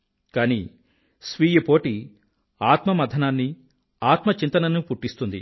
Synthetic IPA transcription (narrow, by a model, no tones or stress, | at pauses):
kaːni | sʋiːjɐpoːʈi | aːt̪mɐmɐd̪ʱɐnaːnːi | aːt̪mɐt͡ʃint̪ɐnɐnupuʈːist̪und̪ḭ